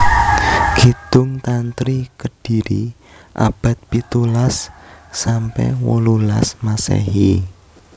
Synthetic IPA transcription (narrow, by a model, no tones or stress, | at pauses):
ɡ̥it̪ʊŋt̪ant̪ɾikəɖ̥i̤ɾi | ʔa̰b̥a̤t̪̚pit̪ulasː | ampɛ̰hwolulasmasɛ̰ɦi